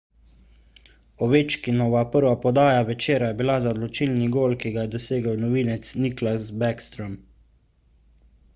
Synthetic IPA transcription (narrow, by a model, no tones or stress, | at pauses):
ɔʋeːt͡ʃkinɔʋapəɾʋapɔd̪aːjaʋɛt͡ʃeːɾajɛbilazad̪lɔt͡ʃilniɡoːlkiɡajɛd̪ɔseːɡəwnɔʋinɛt̪sniklasbɛkst̪ɾɔm